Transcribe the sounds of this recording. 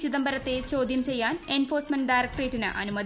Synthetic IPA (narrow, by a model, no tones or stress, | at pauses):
t͡ɕiðɐmbʱɐɾɐt̪ːet͡ɕo̞ːd̪jɐmt͡ɕe̞jːaːne̞nfoːrsmɐnɖajrɐk̚ʈreːtːinɨ̰ʔɐ̰numɐd̪